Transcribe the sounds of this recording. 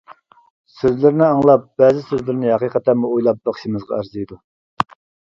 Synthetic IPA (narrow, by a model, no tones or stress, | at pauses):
søzlɪɾnɪɑŋlˠɑp̚b̥ɛːzɪsøzlɪɾɪnɪhɑqiqʰət̪ʰːæmuojlˠɑp̚bɑχʃimɨzʁɑ̰æɾzijd̪u